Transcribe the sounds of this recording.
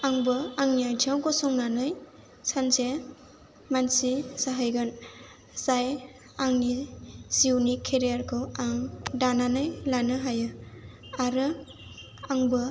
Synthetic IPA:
aŋbɯaŋnijajd͡ʒʰawɡɔsɔŋnanɯj | sanze | mansisaɦajɡɯn | zaj | aŋniziwnikʰːeɾijaɾkʰɔaŋdananɯjlanɯɦajɯ | aɾɯ | aŋbɯ

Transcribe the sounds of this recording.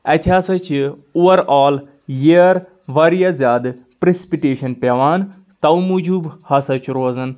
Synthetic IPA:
ɐt̪ʲʰiɦaːsɐt͡ʃʰi | uːʋɐɾaːl | jiɾ | ʋɐɾijazʲjaːd̪ | pɾesi̥piʈeːʃɐnpɐʋaːn | t̪ɐwmud͡ʒubhɐsɐt͡ʃʰɾoːzɐn

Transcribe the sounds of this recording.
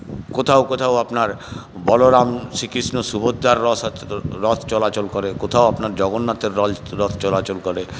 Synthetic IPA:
kot̪ʰaokot̪ʰaoapnaɾbɔloɾamʃikisnosubʱod̪ːaɾːɔɾɔt̪ʰt͡ɕɔlat͡ɕolkoɾekot̪ʰaoapnaɾd͡ʑɔɡonːat̪eɾːɔlɾɔt̪ʰt͡ɕɔlat͡ɕolkɔɾe

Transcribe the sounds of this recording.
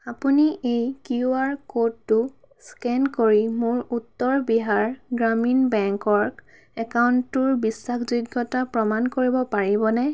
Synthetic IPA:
apuniʔejkiuaɹkodːʊ | skɛnkoɹimʊɹutːɔɹbiɦaɹɡɹaminbɛŋkɔɹ | ɛkawntʊɹbisːakʰzuɡːɔtapɹɔmankoɹibɔpaɹibɔnɛ

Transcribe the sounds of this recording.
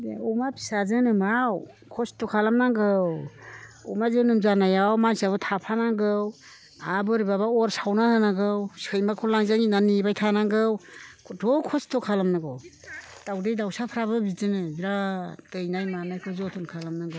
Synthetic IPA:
beɔmapʰi̥sazɯnɯmaw | kʰɔstɔkʰalamnaŋɡɯw | ɔ̰mazɯnɯmzanajawmansaβɯtʰapʰanaŋɡɯw | abɯɾibaβaɔɾsawnahɯnaɡɯwsɯjmakʰɔlaŋzaŋinanibajtʰanaŋɡɯwʰdɔkʰɔstʰɔkʰalamnaɡɯw | tawdejdawsapʰɾaβɯbizɯnɯbiɾatɯjnajmanajkʰɯzɔtʰunkʰalamnaŋɡɯ

